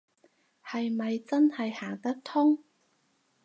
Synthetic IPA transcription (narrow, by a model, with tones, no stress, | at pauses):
hɐ˨jmɐ˨jt͡sɐ˥nhɐ˨jhaː˨˩ŋt̪ɐ˥k̚t̪ʰʊ˥ŋ